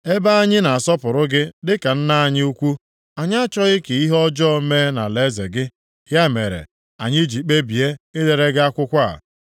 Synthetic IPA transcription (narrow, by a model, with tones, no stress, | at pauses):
e˦ba˦a˦ɲɪ˦na˨sɔ˦pʊ˨ɾʊ˦ɡɪ˦dɪ˦ka˨n̩˦na˦a˨ɲɪ˦u˦kʷu˦ | a˨ɲ˦a˦t͡ʃɔ˦ɣɪ˦ke˨i˦ɦɔ˦d͡ʒɔ˦me˦na˨le˦zḛ˨ɡɪ˦ | hja˦mḛ˨ɾḛ˨ | a̰˨ɲɪ˦d͡ʒi˨k͡pe˦bi˨e˦ɪ˦le˨ɾe˦ɡɪ˦a˦kʷʊ˦kʷa̰˦˨